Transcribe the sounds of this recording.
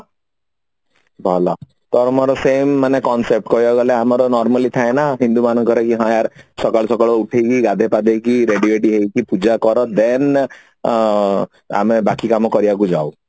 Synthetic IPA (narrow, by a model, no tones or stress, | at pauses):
bʱɔlɔ | t̪ɔɾɔmɔɾɔsemːanekɔnsep̚ʈkɔjɔɡɔleamɔɾɔnɔɾmalit̪ʰaenaɦind̪umanɔŋkɔɾekiɦɔ̃jaɾsɔkaɭɔsɔkɔɭɔuʈʰejkiɡad̪ʱepad̪ejkiɾeɖieʈiɦejkipud͡ʒakɔɾɔd̪en | a̰mebakikamɔkɔɾibakud͡ʒaw